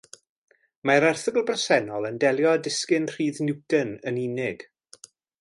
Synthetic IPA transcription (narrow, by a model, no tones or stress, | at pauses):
maɾɛrθəɡlˠbrəsɛnɔlˠəndɛlˠjɔdɪskɪnr̥iːðnɪwtənəniːnɪɡ̥